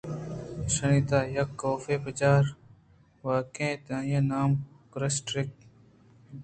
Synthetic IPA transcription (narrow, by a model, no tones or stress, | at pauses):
səɳ̃iːt̪aːjɐkːoːfeːpət͡ʃaːɾ | ʋaːkẽːt̪ãːjẽːnaːm | kɾɐsʈɾɪk̚